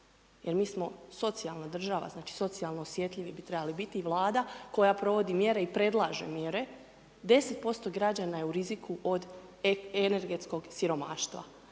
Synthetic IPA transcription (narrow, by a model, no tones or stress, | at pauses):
jʔeɾmiːsmo̞so̞t̪sialˠnad̪r̩ʒaʋa̰znaːt͡ʃi̥so̞t̪sialˠno̞osʋje̞t̪ʎʲiʋibit̪ɾe̞balibit̪iːʋlˠaːd̪ako̞japɾo̞ʋo̞d̪imje̞ɾe̞ipɾe̞d̪lˠaːʒe̞̰mje̞ɾe̞ | d̪e̞set̪̚po̞st̪o̞ɡɾad͡ʑanajeuɾizikʰuʔo̞d̪ | ene̞ɾɡe̞t̪sko̞ɡsiɾo̞maːʃt̪ʋa̰